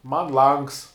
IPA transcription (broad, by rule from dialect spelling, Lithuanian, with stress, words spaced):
mɐn ˈlˠɐŋks